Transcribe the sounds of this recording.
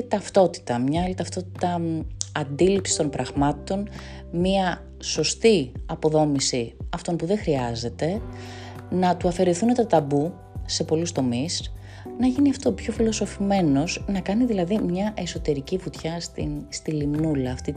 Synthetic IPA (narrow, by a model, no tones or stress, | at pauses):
t̪ɐft̪o̞t̪i̥t̪ɐmɲɐɐlit̪ɐft̪o̞t̪i̥t̪ɐɐnd̪ilipsi̥st̪o̞npɾɐɣmɐt̪o̞n | miɐ | so̞st̪iɐpo̞ðo̞misiɐft̪o̞npuðexɾiɐze̞t̪e̞ | nɐt̪uɐfe̞ɾeθunet̪ɐt̪ɐbu | se̞po̞lust̪o̞mis | nɐʝiniɐft̪o̞pço̞filo̞so̞fime̞no̞znɐkɐniðilɐðimɲɐʔe̞so̞t̪e̞ɾicifut̪çɐst̪ist̪ilimnulɐːft̪i